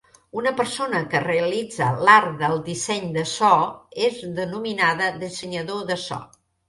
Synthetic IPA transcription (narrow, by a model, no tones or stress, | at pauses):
unəpəɾsonəkəreəlid͡zə̰laɾðəlˠd̪isɛɲd̪əsɔezðənuminaðəðisəɲəðoðəsɔ̰